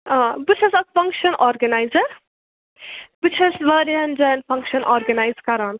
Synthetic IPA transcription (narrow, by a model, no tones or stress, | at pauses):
aːbɨt͡ʃʰɐsɐkfɐŋkʃɐnʔɔːɾɡɐnajzɐɾ | b̥ut͡ʃʰɐsʋɐːɾiɐnd͡ʒɐnfɐŋkʃɐnʔɔːɾɡɐnajzkɐɾaːn